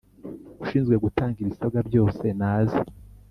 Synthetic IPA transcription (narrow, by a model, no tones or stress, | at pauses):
uʃiːnzɡwe̞ɡutaːŋɡiβisabɡabɟo̞ːse̞naːze